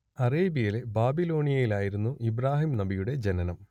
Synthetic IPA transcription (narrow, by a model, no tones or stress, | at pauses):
ɐreːbijilebaːbilo̞ːɳijɐjilaːjiɾunːuʔibɾaːɦimnɐbijuɽe̞d͡ʑenɐnɐm